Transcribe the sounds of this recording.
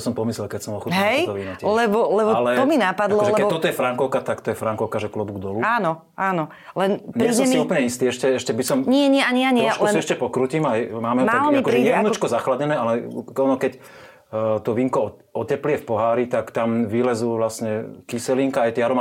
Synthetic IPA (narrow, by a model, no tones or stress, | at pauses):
sɔmpɔmislɛlkɛcsɔmɔlxuɦɛd̪ɔʋinaclɛbɔlɛbɔalɛt̪ɔminapad̪lɔɛlɛɛt̪ːɔt̪ɔjɛfɾaŋkɔʊkat̪akt̪ɔjɛfɾaŋkɔʊkaʒɛklɔbuɡd̪ɔluaːnɔ | aːnɔ | lɛnɲɪɛisɔɛmiuːpl̩ɲɛist̪iːɛʃcɛɛʃcɛbisɔmɲɪɛɲɛaɲiaɲʃusiɛʃcɛpɔkɾuːcimajmaːmɛjmt̪alɔikɔɾijɛnɔt͡ʃkɔzaxladɲɛnɛːalɛɔnɔkɛc | t̪ɔʋiŋkɔ | ɔcɛpliɪɛfpɔɦaːɾit̪akt̪amʋilɛzuʋlasɲɛkisɛliŋkaajt̪ɛaɾɔma